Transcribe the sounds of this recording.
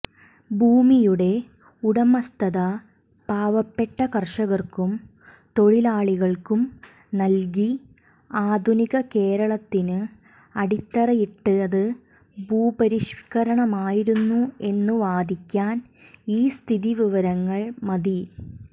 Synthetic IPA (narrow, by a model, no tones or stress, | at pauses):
bʱuːmijuɽe̞ | uɽɐmɐst̪ɐðɐ | paːʋɐpːe̞ʈːɐkɐrʂɐɣɐrkum | t̪o̞ɭilaːɭiɣɐɭkum | nɐlɡ̬i | aːd̪ʱuniɣɐke̞ːɾɐɭɐt̪ːinɨ | ɐɽit̪ːɐrɐjiʈːɨɐðɨ | bʱuːbɐɾiʂkɐɾɐɳɐmaːjiɾunːue̞nːuʋaːd̪ʱikʲːaːn | iːst̪ʰiðiʋiʋɐɾɐŋːɐɭmɐði